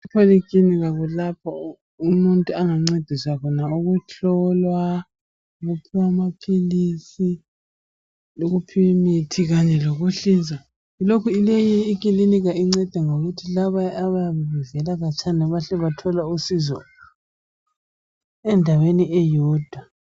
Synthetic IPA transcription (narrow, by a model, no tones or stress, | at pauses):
ipʰoliɡʼiniɣaɣulapʰɔ | umuntʼuaŋaŋ͡ǀed̥ʱiswakʰɔnauɣuɬʰɔlwa | uɣupʰuwamapʰilisi | loɣupʰiwmitʰiɣaɲɛloɣuɬind͡zʱa | ilokʰuilejiːk̬ʼiliniɣaiŋ͡ǀɛd̥ʱɛŋoɣutʰilaβaaβajaβɛβɛvɛlaɣat͡ʃʰʼanɛβaɬɛβatʰɔlausizɔ̰ | ɛndʱaweniʔɛjɔːd̥ʱwa